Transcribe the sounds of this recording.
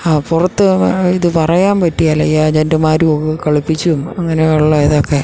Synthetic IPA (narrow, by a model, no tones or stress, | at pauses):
aːpurɐt̪ːɨiðɨpɐrɐjaːmpɐtːijaːlɐjad͡ʑendɐmaːɾuokɨkɐɭipːit͡ɕːumɐŋːɐneɐɭːɐɐðokːe̞